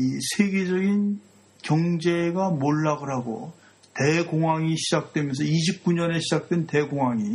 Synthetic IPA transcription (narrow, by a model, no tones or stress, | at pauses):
isʰe̞ɡe̞d͡ʑʌɡin | kjʌŋd͡ʑe̞ɡamoɭːaɡɯɾɦaɡo̰ | te̞ɡoŋwaŋiɕʰid͡ʑak̚t͈we̞mjʌns̬ʰʌiɕʰip̚k͈uɲʌne̞ɕʰid͡ʑak̚t͈wente̞ɡoŋɦaŋi